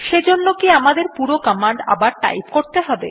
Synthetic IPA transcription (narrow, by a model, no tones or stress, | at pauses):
ʃed͡ʑonːokiamad̪eɾpuɾokɔmaɳɖa̰baɾʈa̰jpkoɾt̪eɦɔbe